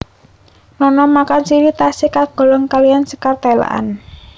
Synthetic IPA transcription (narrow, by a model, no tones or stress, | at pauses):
nɔnɔmakansiɾit̪asikaɡ̥ɔ̤lɔŋkalijansəkart̪ala̰ʔa̰n